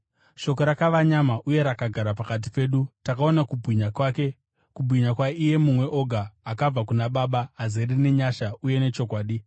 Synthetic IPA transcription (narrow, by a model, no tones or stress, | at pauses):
ʃo̞ko̞ɾakaʋaɲamaʔuje̞ɾakaɡʱaɾapakat̬i̥pe̞ːɗutakao̞nakubʱwiɲakwaːke̞ | kubʱwiɲakwaʔije̞mumwe̞ʔo̞ɡʱaːkab͡vakunaɓaɓaɦazerine̞ɲaʃauje̞ne̞t͡ʃo̞kwaːɗi